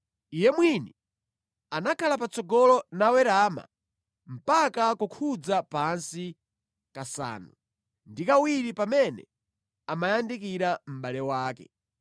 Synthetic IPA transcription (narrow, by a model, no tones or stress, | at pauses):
ijɛmwini | anakʰalapat͡sɔɡɔlɔnawɛɾama̰ | m̩pakakukʰud͡zapansi | kasa̰ːnu | ndikawiɾipamɛnɛ̰ | amajandikiɾam̩ɓalɛwaːkɛ̰